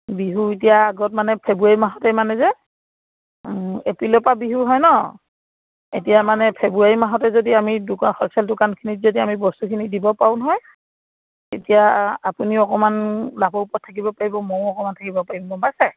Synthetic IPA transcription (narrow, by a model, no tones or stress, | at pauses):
biɦuet̬ijaːɡɔt̚manɛpʰebuaɹimaɦɔtɛmanɛzɛ | epɹilɔpabiɦuɦɔjnɔ | ḛtijamanɛpʰebuaɹimaɦɔtɛzodiamidukaxɔlsaldʊkankʰinitzodiamibɔstukʰinidibɔpaʊnɦɔj | etijaapuniɔkɔmanlabɔupɔtʰːakibɔpaɹibɔmɔwɔkɔmantʰakibɔpaɹimbɔbasa